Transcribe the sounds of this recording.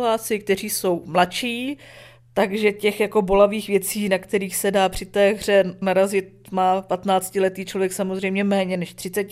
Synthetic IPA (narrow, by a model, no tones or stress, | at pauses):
laːt͡sɪk̚t̪ɛr̝iːso̞wmlat͡ʃiː | t̪aɡʒɛcɛxjako̞bo̞laviːxvjɛt͡siːnakt̪ɛɾiːxsɛdaːpr̝̥ɪt̪ɛːɣr̝ɛnaɾazɪt̪̚maːpat̪naːt͡scɪlɛt̪iːt͡ʃlo̞vjɛksamozrɛjmɲɛmɛːɲɛnɛʃt̪r̥ɪt͡sɛc